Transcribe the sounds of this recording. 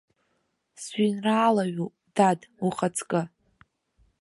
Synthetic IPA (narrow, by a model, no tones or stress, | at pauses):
sɥinraːlaɥu | daduχat͡sʰkʼɨ